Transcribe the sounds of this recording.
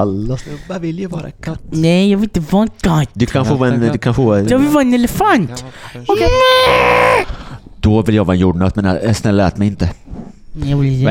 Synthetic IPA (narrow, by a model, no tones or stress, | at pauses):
alːasnvɪljavɑːɾa̰kʰat̪ːnɛjɑːɡvɪlɪt̪əvɑnɡat̪d̪ɵkʰanfoːɛnd̪ɵkʰanfoːjɑvɪlvɑːɾɛnɛləfant̪ɔkɛ | d̪ɔvɪljɑːɡvɑːɛnjuːɖɳɑːt̪mɛnasnɛlːɛːt̪mɛjɪnt̪ə | jɑːvɪl